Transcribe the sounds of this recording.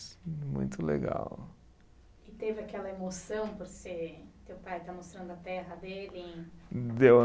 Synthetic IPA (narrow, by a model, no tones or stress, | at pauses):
mṵ̃j̃t̪ʊlḛɡa̰w | ɪt̪evɪakɛlɐemosɐ̃w̃poɾset̪ewpajt̪amost̪ɾɐ̃nd̪ʊɐt̪ɛɦɐd̪elɪ̃d̪ew